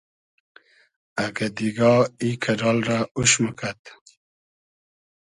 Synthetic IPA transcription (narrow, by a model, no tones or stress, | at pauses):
aɡad̪iɡɑikʰaɾɑːlɾauʃməkʰat̪